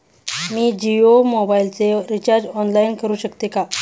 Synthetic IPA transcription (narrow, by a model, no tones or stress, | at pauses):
miːd͡ʑiomobailt͡seɾit͡ɕaɾd͡ʑɔnlainkəɾuːɕəkt̪eka